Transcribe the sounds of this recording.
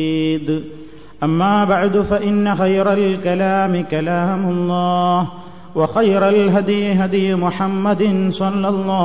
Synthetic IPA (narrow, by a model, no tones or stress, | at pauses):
iːd̪ | ʔɐmːaːbaʕd̪ʊfɐʔɪnːɐxɐjɾɐlkɐlaːmɪkɐlaːmʊlˤːɑːh | wɐxɐjɾalɦad̪jɪɦad̪jmʊħamːɐd̪ɪnsˤɑlːɐlˤːɑː